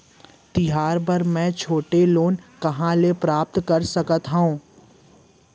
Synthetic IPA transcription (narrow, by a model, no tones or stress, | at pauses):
t̪ɪɦaːɾpɐɾmɛ̃ːt͡ʃʰoːʈeloːnkɐɦãlepɾaːp̚t̪kɐɾsəkət̪ɦõː